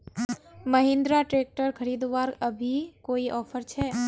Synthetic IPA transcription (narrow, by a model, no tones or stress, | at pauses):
məɦɪ̃nd̪ɾaʈɾeːk̚ʈəɾkʰəɾiːd̪ʋaːɾəbʱikoːiʔɔːfʰəɾt͡ʃʰɛː